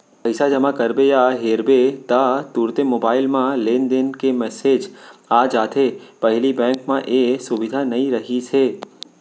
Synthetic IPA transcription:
pɐɪsad͡ʒɐmakɐɾbejaɦeːɾbet̪at̪uːɾt̪emoːbaːɪlmãleːnd̪ɪnkemɛːseːd͡ʒaːd͡ʒaːt̪ʰepɐɦlibɛ̃ːkmãʔesʊʋɪd̪ʱanɐĩɾɐɦiseː

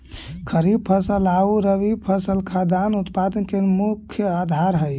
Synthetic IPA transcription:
kʰəɾib̚pʰəsəlauɾəʋibpʰəsəlkʰad̪ʱanut̪pad̪ənkemukʰjəad̪ʱaɾɦəj

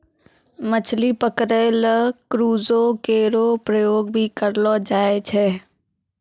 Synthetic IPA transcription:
mət͡ʃʰlipəkɾeləkɾuːzõkeɾopɾəjoːɡbʱikəɾlɔd͡ʒaːet͡ʃʰɛː

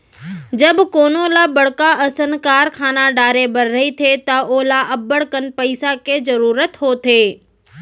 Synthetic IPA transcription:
d͡ʒəbkoːnolabəɽkaʔəsənkaːɾkʰaːnaɖaːɾebəɾːəɦit̪ʰet̪aoːlaʔəbːəɽkənpəɪsaked͡ʒəɾuːɾət̪ɦot̪ʰeː

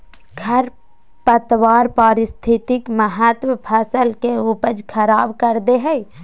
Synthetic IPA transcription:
ɡʰʱɐɾ | pət̪waːɾpaːɾɪst̪ʰɪt̪ɪkməɦət̪wəpʰəsəlkeupəd͡ʒkʰəɾaːbkəɾd̪eɦɛ

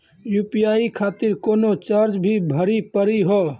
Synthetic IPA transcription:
juːpijaːikʰaːt̪ɪɾkoːnot͡ʃəɾd͡ʒbʱibʱəɾipəɾiɦoː

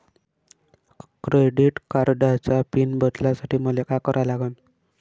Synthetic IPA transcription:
kɾeɖiʈkaɾɖat͡ɕapinbət̪lasaʈʰiːməlekakəɾʔalaɡən

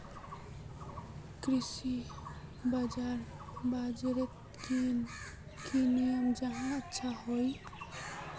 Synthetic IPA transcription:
kɾisi | bad͡ʒaɾ | bad͡ʒɾet̪ | ki | kinijəmd͡ʒəɦãətːʃʰaɦoj

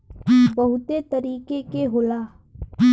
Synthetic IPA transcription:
bɐɦʊt̪et̪əɾiːkekeɦʊlaː

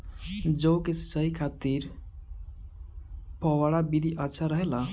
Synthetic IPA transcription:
d͡ʒəwkesəjkʰat̪iɾ | pɔwaɭabid̪ʱiʔətːʃʰaɾəɦela

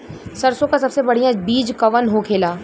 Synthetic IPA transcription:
sɐɾsõkasɐbsebɐɽ̤ijãbiːd͡ʒkɐʋənɦokʰeːlaː

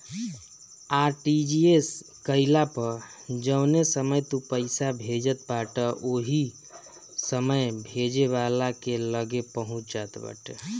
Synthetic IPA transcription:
aɾʈid͡ʒies | kəɪlapəɾ | d͡ʒəʊnesəməjt̪upəɪsabʱed͡ʒət̪baʈəʔoɦi | səməjbʱed͡ʒeβalakeləɡepəɦũt͡ʃd͡ʒat̪bə̰ʈ

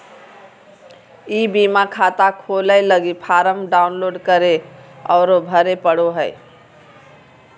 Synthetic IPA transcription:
ibimakʰat̪akʰoləɪləɡipʰaɾəmɖaʊnloɖkəɾeɔʊɾobʱəɾepəɽoɦəj

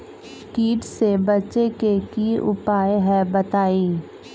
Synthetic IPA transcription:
kiːʈsebɐt͡ʃekekiʔʊ̰paːjeɦɛbɐt̪aːiː

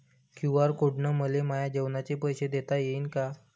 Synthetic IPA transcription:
kũw̃ʋaɾkoɽɳəməlemajad͡ʑeʋnat͡ɕepəjɕed̪et̪ajeiːnka

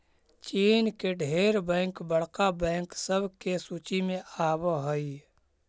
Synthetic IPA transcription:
t͡ʃiːnkeɖʱeːɾbɛ̃ːŋkbəɽ̤kabɛ̃ːŋksəbʱkesuːt͡ʃimẽaːbɦəi

